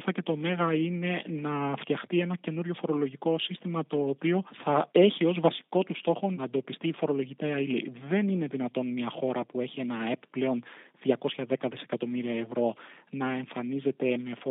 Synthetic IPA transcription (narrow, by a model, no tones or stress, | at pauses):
fɐce̞t̪o̞me̞ɣɐine̞nɐft̪jɐxt̪ie̞nɐce̞nuɾʝo̞fo̞ɾo̞lo̞ʝiko̞sist̪imɐt̪o̞ːpio̞θɐe̞çio̞zvɐsi̥ko̞t̪ust̪o̞xo̞nɐend̪o̞pist̪iːfo̞ɾo̞lo̞ʝit̪eɐilḭðe̞nine̞ðinɐt̪o̞nmɲɐxo̞ɾɐpue̞çie̞nɐepple̞o̞nðʝɐko̞sçɐðe̞kɐðise̞kɐt̪o̞miɾiɐe̞vɾo̞nɐe̞ɱfɐnize̞t̪e̞me̞f